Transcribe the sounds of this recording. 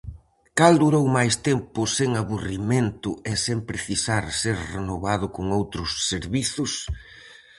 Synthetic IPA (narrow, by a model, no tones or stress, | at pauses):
kald̪uɾowmajst̪empʊseŋaβuriment̪ʊɛsempɾeθisaɾseɾrenoβaðʊkʊŋowt̪ɾʊsːeɾβiθʊs